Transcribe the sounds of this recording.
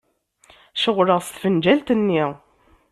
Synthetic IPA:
ʃəʁɾəʁst̪fənd͡ʒælt̪ənːiʁ

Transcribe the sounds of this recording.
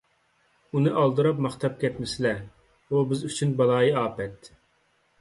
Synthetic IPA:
unɨʔɑlˠd̪ɨɾɑp̚mɑχt̪ʰɑp̚kʲʰɛt̪mɪsɪlɛ | ubɪzyt͡ʃʰynbɑlˠɑːjiɑːpɛt̪

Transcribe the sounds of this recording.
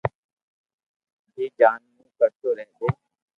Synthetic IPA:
jeːd͡ʒaːnmũːkəɾt̪oːɾɛɦɡoː

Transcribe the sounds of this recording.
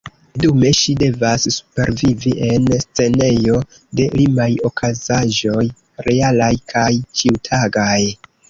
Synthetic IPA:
dume̞ʃide̞vasːu̥pe̞̰ɾviviʔe̞nst͡se̞ne̞jo̞ | de̞limajo̞kʰazaʒo̞j | ɾe̞alajkʰajt͡ʃiwtʰaɡaj

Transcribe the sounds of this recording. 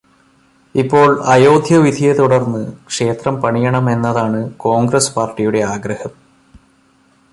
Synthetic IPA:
ipːo̞ːɭɐjo̞ːd̪ʱjɐʋid̪ʱijet̪uɽɐrnːɨkʂe̞ːt̪rɐmpɐɳijɐɳɐme̞nːɐðaːɳɨko̞ːŋɡɾɐspaːrʈːijuɽe̞aːɡɾɐhɐm

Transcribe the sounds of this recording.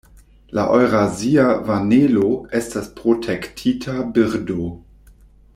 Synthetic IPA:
laʔojɾaziavaneloestaspɾotʰektʰitʰabiɾdo

